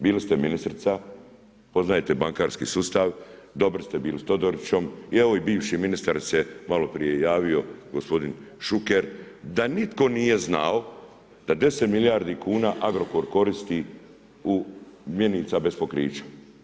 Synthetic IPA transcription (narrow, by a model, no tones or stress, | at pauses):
biːlist̪e̞minist̪ɾt̪sa | po̞znajet̪e̞baŋkaːɾskḭsuːst̪aʋd̪o̞bɾst̪e̞biːlist̪o̞d̪oɾit͡ɕo̞mieʋo̞ibiːʋʃiminist̪aɾse̞malo̞pɾije̞jaːʋio̞ɡo̞spo̞d̪inʃuke̞ɾ | d̪anit̪ko̞nije̞zna̰o | d̪̥ad̪e̞set̪miljaɾd̪ikʰuːnaːʔaɡɾo̞koɾko̞ɾist̪i | umjeniːt̪sabe̞spo̞kɾḭːt͡ɕḁ